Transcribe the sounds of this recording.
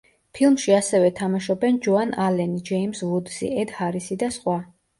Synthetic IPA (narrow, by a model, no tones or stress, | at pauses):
pʰilˠmʃiasɛvɛt̪ʰamaʃɔbɛnd͡ʒɔanalɛnid͡ʒɛimsvud̪zḭɛd̪haɾisid̪asχwa